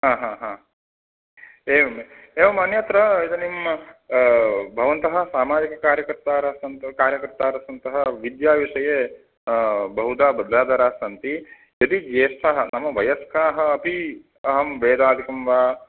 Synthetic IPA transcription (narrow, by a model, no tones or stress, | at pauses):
ɦaːɦãːɦãː | eːʋɐ | eːʋɐmaːnjɐt̪ɾɐid̪ɐnim | bʱɐʋɐnt̪ɐɦɐ̆saːmaːd͡ʒikɐkaːɾjɐkɐɾt̪aːɾɐsɐnt̪ɐkaːɾjɐkɐɾt̪aːɾɐsɐnt̪ɐɦɐʋid̪jaːʋiʂɐjeː | bɐɦud̪aːbɐd̪ɾaːd̪ɐɾaːsɐnt̪i | jɐd̪id͡ʒeːsʈʰaːɦɐnɐmɐʋɐjɐskʰaːɦɐ̆ːpi | ɐɦɐmʋeːd̪aːd̪ʱikɐmʋaː